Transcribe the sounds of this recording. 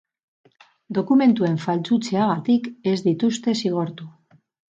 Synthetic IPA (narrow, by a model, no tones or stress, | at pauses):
d̪o̞kume̞nt̪ue̞ɱfalt͡sut͡se̞aɣ̞at̪ike̞zd̪it̪ust̪e̞siɣ̞o̞ɾt̪u